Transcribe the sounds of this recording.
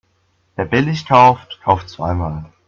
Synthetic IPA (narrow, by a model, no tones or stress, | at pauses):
d̥eːɐbɛlɪçtʰaʊftkʰaʊftt͡sv̥aɪmaːl